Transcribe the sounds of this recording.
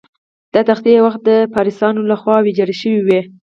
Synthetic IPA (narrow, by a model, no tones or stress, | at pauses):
d̪̥ɑt̪axt̪iwaxt̪̚d̪əpɑɾisɑnolaxwɑwed͡ʒɑɾeʃəwiwe